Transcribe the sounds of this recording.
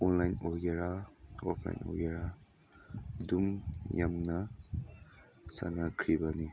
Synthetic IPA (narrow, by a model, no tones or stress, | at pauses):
ɔnlajnoɡeɾaɔpʰla̰jno̰ɡeɾa | dumja̰mnɐ | sa̰nakʰɾibani